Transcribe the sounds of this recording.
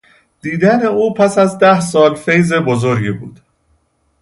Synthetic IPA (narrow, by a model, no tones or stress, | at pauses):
d̪̥iːd̪æne̞uːpʰæsæzd̪æhsɒːlfe̞jze̞bozo̞ɾɟibṵːd̪̥